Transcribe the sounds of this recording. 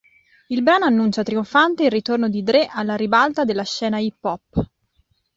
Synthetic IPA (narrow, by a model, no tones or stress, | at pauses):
ilbɾaːnoanːunt͡ʃat̪ɾioɱfant̪eilrːit̪ornod̪id̪ɾeʔalːaɾibalt̪ad̪elːaʃːɛːnaipːɔpː